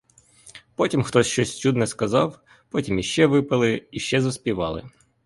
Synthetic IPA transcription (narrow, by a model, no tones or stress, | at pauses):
pɔtʲimxt̪ɔsʲʃt͡ʃɔsʲt͡ʃud̪nɛskɐzɑw | pɔtʲimjiʃt͡ʃɛʋɪpɐlˠɪiʃt͡ʃɛzɐspʲiʋɑ̰lˠɪ̰